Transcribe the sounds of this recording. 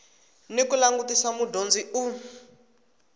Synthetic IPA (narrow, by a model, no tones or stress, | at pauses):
nikulaŋɡutisamudʱond͡ziʔu